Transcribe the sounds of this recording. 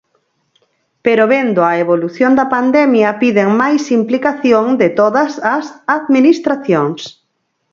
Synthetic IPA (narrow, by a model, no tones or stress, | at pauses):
peɾoβend̪oɐeβoluθjond̪ɐpand̪ɛmjɐpiðeŋmajsimplikaθjoŋd̪ɪt̪oðɐsɐsaðminist̪ɾaθjoŋs